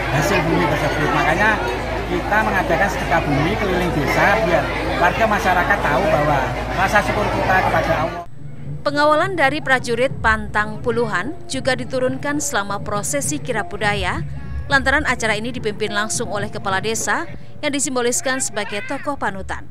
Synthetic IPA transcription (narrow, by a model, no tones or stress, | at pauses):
hasɪlbumit̪ərsəb̥ʊt̪̚makaɲa | kit̪aməŋad̪akansə̥t̪əkab̥umipəlilɪŋb̥esabiarwarɡamaʃaɾakat̪ːaubawarasasəkuɾkit̪akəpad̥a | pəŋawalandaɾipɾad͡ʒuɾɪt̪̚pant̪aŋpuluɦand͡ʒuɡadit̪uɾʊnkansəlamapɾosɛsikiɾab̥udaja | lant̪aɾanat͡ʃaɾainidipimpɪnlaŋsʊŋolɛhkəpaladesa | jaŋdisimbolɪskansəbaɡejt̪ɔkɔhpanut̪a̰n